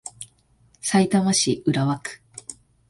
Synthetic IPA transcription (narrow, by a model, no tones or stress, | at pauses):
sait̪amaɕiʔɯɾaβakɯ̥